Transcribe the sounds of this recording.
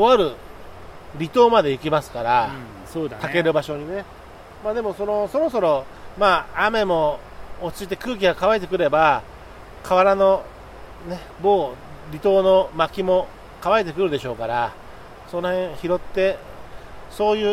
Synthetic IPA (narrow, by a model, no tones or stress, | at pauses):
o̞βaɾɯ̟ | ɾʲit̪o̞ːmad̪e̞ikʲimasɨ̥kaɾa | od̪t̪ake̞ɾɯ̟baɕo̞ɲ̟ine̞ | maːd̪e̞mo̞so̞no̞so̞ɾo̞so̞ɾo̞ | maːame̞mo̞ː | t͡ɕit̪ːe̞kɯ̟ːkʲiɡakaβaet̪e̞kɯ̟ɾe̞ba | kʰaβaɾano̞ | ne̞ | bo̞ː | ɾʲit̪o̞ːno̞makʲimo̞ | kaβaet̪̬e̞kɯ̟ɾɯ̟d̪e̞ɕo̞ːkaɾa | so̞nohẽ̞ɰ̃çiɾo̞t̪ːe̞ | so̞ːjɯ̟ː